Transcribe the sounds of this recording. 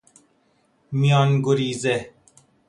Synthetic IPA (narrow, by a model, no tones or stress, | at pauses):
mijaːnɡoɾiːze